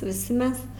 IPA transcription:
ʋʲɪˈsʲɪ ˈmʲɛs

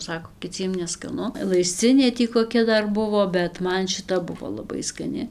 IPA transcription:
ˈsɑːkoː kʲɪˈt͡sʲiɛm nʲɛskɐˈnʊ lˠɐɪsʲˈt͡sʲɪnʲeː tʲiː koːˈkʲɛ ˈdɐr ˈbʊʋoː bʲɛt ˈmɐn ʃʲɪˈtɐ ˈbʊʋoː lˠɐˈbɐɪ skɐˈnʲɪ

